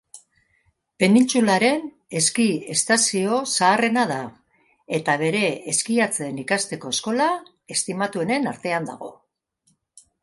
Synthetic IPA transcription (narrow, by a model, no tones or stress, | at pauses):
pe̞nint͡sulaɾe̞n | e̞skie̞st̪asio̞saːre̞naða | e̞t̪aβ̞e̞ɾe̞ːskiat͡se̞nikast̪e̞ko̞e̞sko̞la | e̞st̪imat̪ue̞ne̞na̰ɾt̪e̞and̪a̰ɣ̞o̞